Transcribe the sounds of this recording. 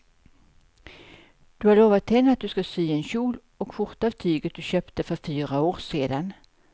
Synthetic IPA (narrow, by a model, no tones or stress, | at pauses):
d̪̥ɵhaɾɭoːvat̪hɛnːəat̪̚d̪ɵskasyːɛnɕuːl | ɔkfʊɾt̪aːvt̪ʰyːɡət̪̚d̪ɵɕøːpt̪əfœɾfyːɾaoːɾseːd̪an